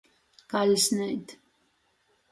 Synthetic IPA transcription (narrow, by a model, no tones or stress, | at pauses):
ɡ̥alisnɛit̪ʰ